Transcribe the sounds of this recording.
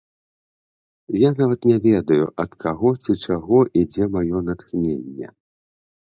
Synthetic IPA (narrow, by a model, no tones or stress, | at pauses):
janavɐt̪nʲɛvʲɛd̪ɐjṵʔɐt̪kʰaɣɔt͡sʲit͡ʂaɣɔʔid͡zʲɛmajɔnat̪xnʲenʲːɛ̰